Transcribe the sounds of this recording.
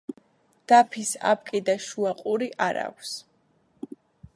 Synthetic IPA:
d̪̥apʰisa̰p̚ʼkʼid̪aʃuaqʼuɾiʔaɾa̰kʷʰs

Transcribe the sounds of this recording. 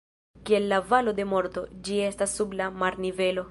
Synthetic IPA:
kie̞lːavalo̞d̪e̞mo̞ɾt̪o̞d͡ʒie̞stasːublamaɾnive̞lo̞

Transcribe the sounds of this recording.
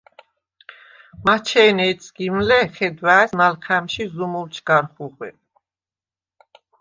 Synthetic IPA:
mat͡ʃʰɛːnɛːt̪sʰɡ̥imlɛχɛd̪waɛsmalχʰɛmʃizumult͡ʃʰɡ̥aɾχuʁwɛ̰

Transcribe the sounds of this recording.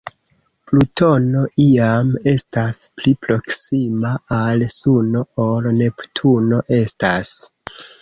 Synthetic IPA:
plutʰo̞no̞ʔiame̞stasplipɾo̞ksimaalsuno̞olne̞ptʰuno̞ʔe̞stas

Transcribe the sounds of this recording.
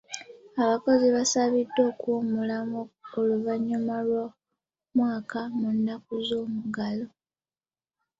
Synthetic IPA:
aβako̞ziβasaβidːo̞ːkwomulamooluvaɲːumalwa | mwaːkamunːakuzo̞ːmuɡalo̞

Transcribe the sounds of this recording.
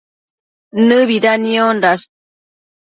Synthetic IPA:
nɨβiɾanionɾas

